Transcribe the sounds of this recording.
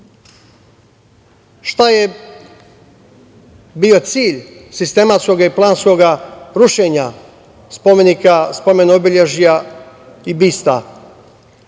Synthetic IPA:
ʃt̪aje | bio̞t̪siːʎsist̪e̞mat̪sko̞ɡaiplˠaːnsko̞ɡaɾuʃeɲa | spomenikaspo̞me̞noobiʎeʒija | ibist̪a̰

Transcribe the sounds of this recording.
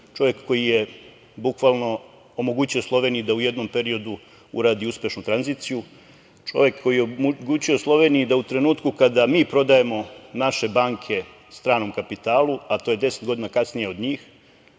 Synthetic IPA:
t͡ʃo̞ʋje̞kːo̞jije | bukʋaːlˠno̞ | omo̞ɡuːt͡ɕio̞slˠo̞ʋe̞ːnijid̪auje̞d̪no̞mpe̞ɾio̞d̪u | ṵɾaːd̪iuspe̞ʃnut̪ɾanziːt̪siju | t͡ʃo̞̰ʋje̞kːo̞jijeɡut͡ɕioslˠo̞ʋe̞ːnijid̪aut̪ɾe̞nuːt̪kukad̪amiːpɾo̞d̪aje̞mo̞naʃe̞baːŋkʰe̞ | st̪ɾaːno̞mkapit̪aːluat̪o̞ːje̞d̪e̞set̪ɡo̞d̪inakasnijeo̞d̪ɲiːx

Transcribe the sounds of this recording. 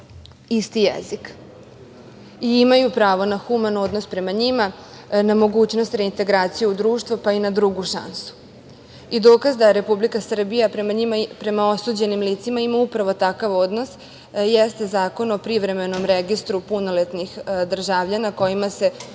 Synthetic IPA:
ist̪ijḛzik | iimajupɾaːʋo̞naxumano̞d̪no̞spɾe̞maɲima | namo̞ɡuːt͡ɕno̞st̪ɾe̞int̪e̞ɡɾaːt̪sijeud̪ɾuːʃt̪ʋopainad̪ɾuɡuʃa̰nsu̥ | id̪oːkazd̪aɾe̞publikasr̩bijapɾemaɲimapɾe̞mao̞suːd͡ʑe̞nimliːt̪simaimaupɾaʋo̞t̪akaʋo̞d̪no̞s | jest̪ezaːko̞nopɾiʋɾe̞me̞no̞mɾeɡist̪ɾupuno̞let̪nixd̪r̩ʒaʋʎanako̞jimase̞

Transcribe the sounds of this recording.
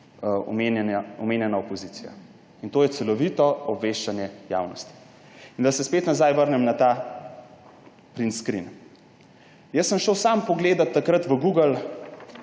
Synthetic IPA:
ɔ̰menɛnaɔmeːnjɛnaopɔziːt̪sija̰ | int̪oːjɛt̪sɛlɔʋit̪ɔɔbʋeːʃt͡ʃanjɛja̰ːwnɔst̪i̥ | ind̪asɛspeːt̪nazajʋəɾnɛmnat̪a | pɾinskɾḭn | jəsːəmʃəwsampɔɡleːd̪at̪ːakɾət̪ʋəɡuːɡəl

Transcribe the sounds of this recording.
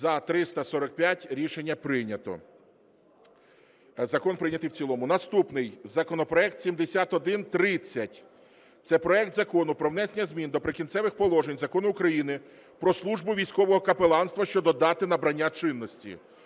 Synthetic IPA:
zɐt̪ɾɪst̪ɐsɔɾɔk̚pʲjatʲɾʲiʃenʲːɐpɾɪnʲɐt̪ɔ̰ | zɐkɔnpɾɪnʲɐt̪ɪwt͡sʲilˠɔmʊnɐst̪upnɪjzɐkɔnɔpɾɔɛk̚t̪sʲimd̪esʲat̪ɔd̪ɪnt̪ɾɪt͡sʲːɐtʲ | t̪sɛpɾɔɛk̚t̪zɐkɔnʊpɾɔwnɛsnʲɐzʲmʲind̪ɔpɾɪkʲinsɛʋɪxpɔlˠɔʒenʲzɐkɔnʊʊkɾɐjinɪ | pɾɔslˠuʒbʊʋʲijsʲkɔʋɔɦɔkɐpelˠɑnst̪ʋɐʃt͡ʃɔd̪ɔd̪ɑt̪ɪnɐbɾɐnʲːat͡ʃɪnːɔsʲtʲḭ

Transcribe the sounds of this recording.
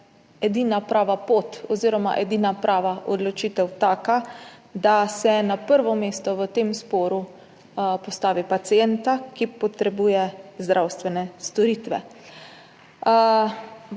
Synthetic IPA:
ɛd̪iːnapɾaːʋapoːt̪ɔziːɾɔma̰ʔɛd̪iːnapɾʔaːʋaʔɔd̪lɔt͡ʃiːt̪ɛwt̪aːkad̪asɛnapəɾʋɔmeːst̪ɔʋət̪eːmspɔːɾu | pɔst̪aːʋipat̪siɛnt̪akipɔt̪ɾɛbuːjɛzd̪ɾʔawst̪ʋɛnɛst̪ɔɾiːt̪ʋɛ̰

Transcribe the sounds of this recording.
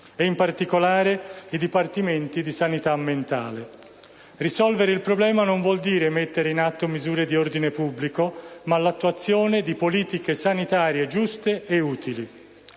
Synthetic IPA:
ɛimpart̪ikolaːɾeid̪ipart̪iment̪id̪isanit̪amːent̪a̰ːle | risɔlveɾeilpɾoblɛːmanoɱvwɔld̪iːɾemet̪ːeɾeinat̪ːomizuːɾed̪iord̪inepubːlikomalat̪ːuwat̪sːjoːned̪ipoliːt̪ikesanit̪aːɾjed͡ʒust̪eeuːt̪ili

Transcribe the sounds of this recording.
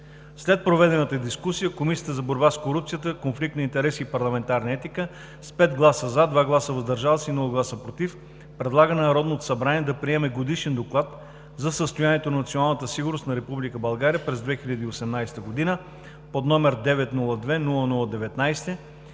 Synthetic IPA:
slɛt̪̚pɾovɛd̪ɛnət̪əd̪iskusijəkomisijət̪əzɐboɾbaskoɾupt̪sijət̪əkonflik̚t̪nɐint̪ɛɾɛsiːpɐɾlˠɐmɛnt̪aɾnɐɛt̪ikə | spɛd̪ɡlˠasəzad̪vaɡlˠasəvɐzd̪ɐɾʒalˠsinulˠəɡlˠasəpɾot̪if | pɾɛd̪lˠaɡənɛnɐɾɔd̪not̪o̥sɐbɾaniɛd̪ɐpɾiɛmɛɡod̪iʃɛnd̪oklˠat̪ | zɐsəst̪ojaniɛt̪onɐnɐt̪sionalˠnət̪əsiɡʊɾnost̪nɐɾɛpublikəbɐlˠɡaɾijəpɾɛzd̪vɛxiʎʲɐd̪iːosɛmnajsɛ̥t̪əɡod̪inə | pod̪nɔmɛɾd̪ɛvɛt̪nulˠəd̪vɛnulˠənulˠəd̪ɛvɛt̪najst̪ɛ

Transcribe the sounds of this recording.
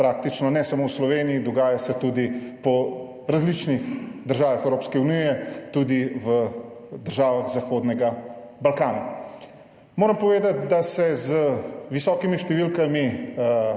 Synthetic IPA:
pɾaːk̚t̪it͡ʃnɔnɛsamowslɔʋeːniid̪ɔɡaːjasɛt̪ud̪ipɔ | ɾazlit͡ʃnixd̪əɾʒaːʋaxɛwɾoːpskɛunijɛt̪ud̪iʋə | d̪əɾʒaːʋaxzaxoːd̪nɛɡa | balkaːna | moːɾɐmpɔʋeːd̪at̪̚d̪asɛzəʋisɔːkimiʃt̪ɛʋilkami

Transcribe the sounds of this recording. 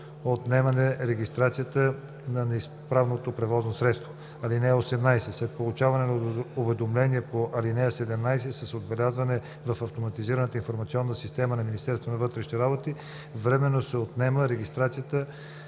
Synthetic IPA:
ot̪nɛmɐnɛɾɛɡʲist̪ɾat̪sijət̪ə | nɐnɛispɾavnot̪opɾɛvɔznosɾɛt̪st̪vo | ɐlinɛəosɛmnajsɛslɛt̪̚polˠut͡ʃavɐnɛnovɛd̪omlɛniɛpoʔɐlinɛəsɛd̪ɛmnajsɛsɐsod̪̚bɛlʲazvɐnɛ | vɐfɐft̪omɐt̪iziɾənət̪əinfoɾmɐt̪siɔnːəsist̪ɛmənɐminist̪ɛɾst̪vonɐvɤt̪ɾɛʃniɾabot̪i | vɾɛmɛnːosɛot̪nɛməɾɛɡʲist̪ɾat̪sijət̪ə

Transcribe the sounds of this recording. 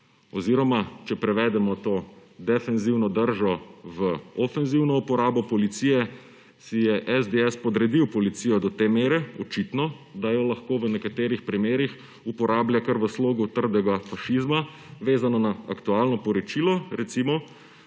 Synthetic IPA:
ɔziɾɔmat͡ʃɛpɾɛʋɛd̪ɛmɔt̪oːd̪ɛfɛnziwnɔd̪əɾʒɔʋəɔfɛnziwnɔupɔɾaːbɔpɔlit̪sijɛ | sijɛʔɛzd̪eɛspɔd̪ɾɛd̪iwpɔlit̪sijɔd̪ɔt̪emeːɾɛɔt͡ʃit̪nɔ | d̪ajɔlaxkoːʋənɛkat̪eːɾixpɾimeːɾix | upɔɾʔaːbljakəɾʋəsloːɡut̪əɾd̪ɛɡafaʃizma | ʋeːzanɔnaa̰kt̪uaːlnɔpɔɾɔt͡ʃiːlɔɾɛt̪simɔ

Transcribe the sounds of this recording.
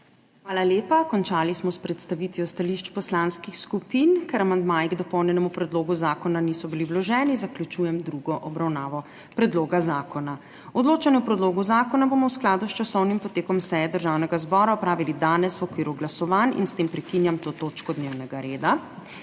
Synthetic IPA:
xʋaːlaljeːpakɔnt͡ʃaːlismɔspɾɛt̪st̪aʋit̪ʋiɔst̪aliʃt͡ʃpɔslanskixskupinkaɾamand̪majiɡd̪ɔpɔwnjɛnɛmupɾɛd̪loːɡuzaːkɔnanisɔbiliwlɔʒɛːnizaklʲut͡ʃuːjɛmd̪ɾuɡɔʔɔbɾawnaːʋɔ | pɾɛd̪loːɡazaːkɔna | ɔd̪loːt͡ʃanɛɔpɾɛd̪loːɡuzaːkɔnaboːmɔwsklaːd̪ust͡ʃasɔwnimpɔt̪eːkɔmsɛjɛd̪əɾʒaːwnɛɡazbɔːɾaɔpɾaːʋilid̪aːnɛswɔkʋiːɾuɡlasɔʋanḭnst̪empɾɛkinjamt̪oːt̪oːt͡ʃkɔd̪newnɛɡaɾeːd̪a

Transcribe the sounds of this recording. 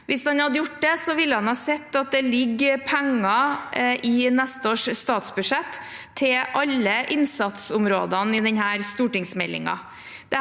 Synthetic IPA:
ʋɪsd̪ɑnhɑd̪əjʊʈːd̪ɛsɔʋɪlːəhɑnhɑːsɛt̪ːɑt̪̚d̪ɛlɪɡːpʰæŋːɑ | ɪnɛst̪əoːʂst̪ɑːt̪sbʉʂɛt̪ʰː | ɪlʔɑlːəʔɪnsɑt̪sʊmɾoːd̪ɑnɪd̪ɛɲɦæːɾst̪uːʈɪŋsmɛlːɪ̰ŋɑ̰ | d̪̥ɛ

